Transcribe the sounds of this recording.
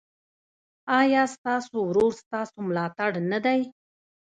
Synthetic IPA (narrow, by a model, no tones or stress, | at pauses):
ɑjɑst̪ɑsowɾoɾst̪ɑsomlɑt̪aɽnad̪aj